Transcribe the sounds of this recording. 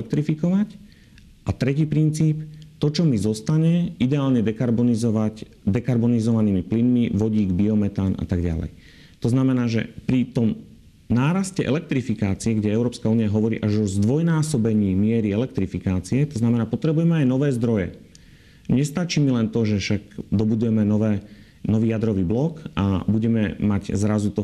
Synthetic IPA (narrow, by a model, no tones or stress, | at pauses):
k̚t̪ɾifikɔʋac | ʔat̪ɾɛciːpɾint͡siːpt̪ɔt͡ʃɔmizɔst̪aɲɛid̪ɛaːlɲɛd̪ɛkaɾbɔnizɔʋaɟ | d̪ɛkaɾbɔnizɔʋaniːmiplinmiʋɔɟiːɡbiɔmɛt̪aːnʔa̰t̪aɡɟa̰lɛ̰j | t̪ɔznamɛnaːʒɛ̰pɾit̪ɔm | naːɾascɛʔɛ̰lɛk̚t̪ɾifikaːt͡siɛɡɟɛɛʊɾɔːpskauːniaɦɔʋɔɾḭːʔaʒɔzd̪ʋɔjnaːsɔbɛɲiːmɪɛɾiɛlɛk̚t̪ɾifikaːt͡siɛt̪ɔznamɛnaːpɔt̪ɾɛbujɛmɛajnɔʋɛːzd̪ɾɔjɛ̰ | ɲɛst̪at͡ʃiːmilɛnt̪ɔʒɛfʃaɡd̪ɔbud̪ujɛmɛnɔʋɛː | nɔʋiːjad̪ɾɔʋiːblɔka̰buɟɛmɛmaɟzɾazut̪ɔ